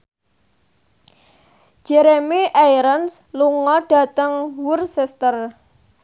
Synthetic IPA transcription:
ʒ̥ɛɾemiʔajɾəns | luŋɔɖ̥ä̤t̪əŋwʊrsɛst̪ər

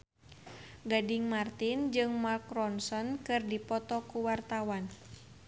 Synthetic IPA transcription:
ɡadɪŋmart̪ɪnd͡ʒɨŋmarkɾɔnsɔnkɨrdipɔt̪ɔkuwart̪awan

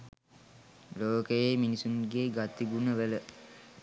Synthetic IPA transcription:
loːkəjeminisunɡeːɡat̪iɡunəʋələ

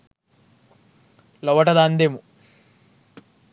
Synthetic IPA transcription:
lɐʋɐʈɐd̪aːnd̪eːmu

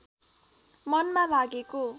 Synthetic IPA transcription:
mʌnmalaɡeko

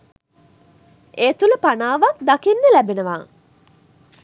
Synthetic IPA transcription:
eːt̪ulupanaːʋakd̪akinːelæbenəʋaː

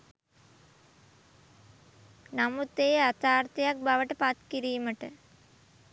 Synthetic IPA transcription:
namut̪ːejəat̪aːrt̪ejak̚baʋəʈəpat̪kiɾiːməʈə

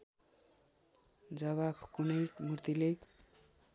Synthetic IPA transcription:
d͡zʌβabkunʌjkmurt̪ile

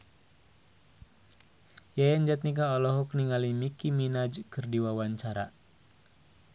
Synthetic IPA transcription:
jajaɲd͡ʒat̪̚nik̬aɔlɔɦɔk̚niŋalimikiminad͡ʒkɨrdiwawaɲt͡ʃaɾa

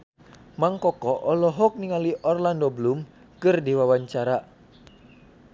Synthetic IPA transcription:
maŋkɔkɔʔɔlɔɦɔk̚niŋaliʔɔrlandɔblum | kɨrdiwawaɲt͡ʃaɾa

